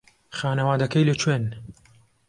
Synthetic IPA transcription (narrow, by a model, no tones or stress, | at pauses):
xaːnɐwaːd̪ɐkejlɨt͡ʃʰwen